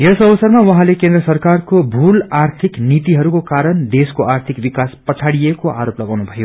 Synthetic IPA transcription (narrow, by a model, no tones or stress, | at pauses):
jesʌbʌsʌrmawʌɦãlekend̪rʌsʌrkarkobʱulart̪ʰiknit̪iɦʌɾukokaɾʌnd̪eskoʔart̪ʰikbikaspʌt͡sʰaɽijekoʔa̰ɾoplʌɡawnubʱʌjo